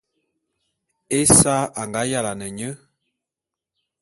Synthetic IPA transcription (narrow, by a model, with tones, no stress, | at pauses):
e˦sa˦ʔa˨ŋɡa˨˦ja˦˨la˨nɛ˨ɲə˦